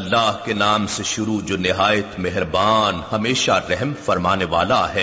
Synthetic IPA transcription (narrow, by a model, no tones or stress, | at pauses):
ɐlːaːɦkenaːmseʃʊɾud͡ʒoːnɪɦaːjət̪mɛɦɾbaːnhɐmeːʃaɾɛɦmfɐɾmaːneʋaːlaɦɛː